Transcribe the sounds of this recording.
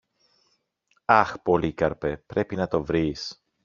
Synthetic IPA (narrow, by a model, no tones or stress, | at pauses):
ɐxpo̞likɐɾpepɾe̞pinɐt̪o̞vɾis